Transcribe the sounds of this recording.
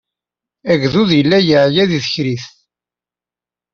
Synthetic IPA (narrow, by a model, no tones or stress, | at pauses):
æɡðuðjəlːæjəʕjæðiðəçɾiθ